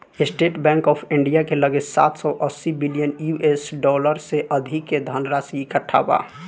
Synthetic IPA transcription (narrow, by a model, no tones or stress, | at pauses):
esʈeʈbɛ̃ŋkɔːpʰiɳɖijakeləɡesa̰t̪ʰsɔʔəsːibilijənjuʔesɖɔləɾseʔəd̪ʱikːed̪ʱənɾasiikəʈʰa̰ba̰